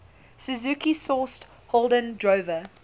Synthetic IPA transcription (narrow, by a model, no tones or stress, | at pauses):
səzukisɔst | hɔlˠdə̃ndɹovə